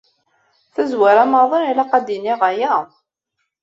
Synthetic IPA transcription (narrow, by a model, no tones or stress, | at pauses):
θæzwaɾæmɑðˤənilaqɑd̪iniʁæjæ